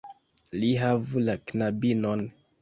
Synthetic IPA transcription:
liɦavulaknabinon

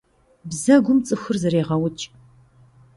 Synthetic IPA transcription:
bzɐɡʷʊmt͡sʼɨxʷʊrzɨɾeːʁɐwʊt͡ʃʼ

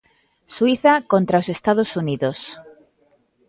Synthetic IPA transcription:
swiθakõnt̪ɾaosest̪að̞osuniðos

